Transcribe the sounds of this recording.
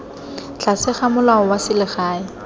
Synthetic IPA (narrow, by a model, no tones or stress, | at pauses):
t͡ɬʰasɪχamʊlaɔwasɪlɪχaːɪ